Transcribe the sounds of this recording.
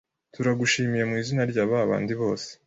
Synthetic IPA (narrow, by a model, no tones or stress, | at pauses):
tuɾaɡuʃiːmiɾemŋiːzinaɾɟaːβaːβa̰ːndiβo̞ːse̥